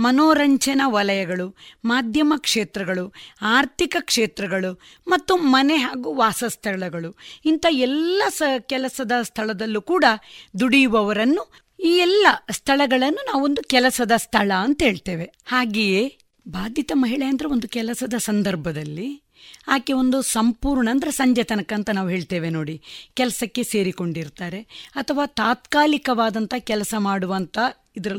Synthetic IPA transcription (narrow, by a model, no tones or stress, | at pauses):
mɐnoːɾɐɲt͡ʃɐnɐʋɐlɐjɐɡɐɭumaːd̪ʱjɐmɐkʂeːt̪ɾɐɡɐɭuaːɾt̪ʰikɐkʂeːt̪ɾɐɡɐɭu | mɐt̪ːumɐneɦaːɡuʋaːsɐst̪ʰɐɭɐɡɐɭuint̪ɐɛlːɐskɛlɐsɐd̪ɐst̪ʰɐɭɐd̪ɐlːukuːɽɐd̪uɽijuʋɐʋɐɾɐnːu | iːɛlːɐst̪ʰɐɭɐɡɐɭɐnːunaːʋuond̪ukɛlɐsɐd̪ɐst̪ʰɐɭɐːnt̪ɐɦeːɭt̪eːʋe̞ | haːɡeːje | bʱaːd̪ʱjit̪ɐmɐɦiɭejɐnd̪ɐɾeo̞nd̪ukɛlɐsɐd̪ɐsɐnd̪ɐɾbʱɐd̪ɐlːi | aːkeo̞nd̪usɐmpuːɾɳɐːnd̪ɐɾesɐɲd͡ʒɐt̪ɐnɐkɐːnt̪ɐnaːʋuɦeːɭt̪eːʋe̞no̞ːɽikɛlɐsɐkːe̞se̞ːɾiko̞ɳɖiɾt̪aːɾe̞ɐt̪ʰɐʋaːt̪aːt̪kaːlikɐʋaːd̪ɐnt̪ɐkɛlɐsɐmaːɽuʋɐnt̪ɐ | id̪ɐɾɐ